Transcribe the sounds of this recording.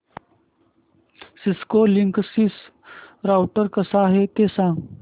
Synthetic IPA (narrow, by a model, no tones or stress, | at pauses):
siskoliŋksis | ɾawʈəɾkəsaːɦet̪esãŋɡ